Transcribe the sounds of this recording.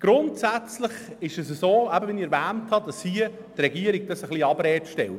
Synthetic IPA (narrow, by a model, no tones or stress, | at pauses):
ɡ̥ɾʊntsæt͡slɪχ | ɪʃəsəsoːæbəʋɪniɛɾvæːnthɑd̥ɑshiə | trɛɡiəɾiɡ̥̚d̥ɑsəχliːɑbɾɛːtʃtɛ̰lt